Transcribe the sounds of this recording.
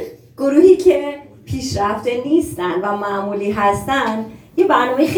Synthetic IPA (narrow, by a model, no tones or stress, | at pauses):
ɡ̥oɾuːhiːcʰe | pʰiʃɾæft̪enist̪ænd̪væmæmuliɦæst̪ænd̪jibaɾnomex